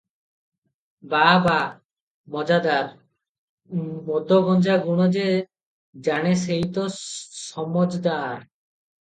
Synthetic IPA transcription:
baba | mɔd͡ʑad̪aɾ | mod̪ʱːoɡɔnd͡ʑaɡuɽ̃od͡ʑe | d͡ʑaɽ̃eseɦit̪osɔmod͡ʑd̪aɾ

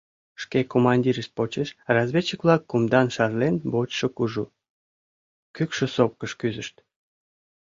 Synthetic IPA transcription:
ʃkekomɑnʲdʲiɾəʃt̪̚pot͡ɕeʃrɑzβʲet͡ɕəkβlɑkːumd̪ɑnʃɑrlenbot͡ɕʃəkuʒu | kykʃə̆sop̚kəʃkyzəʃt̪

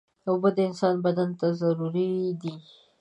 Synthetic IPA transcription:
awbəd̪əɪnsɑnbad̪ant̪azaɾuɾid̪i

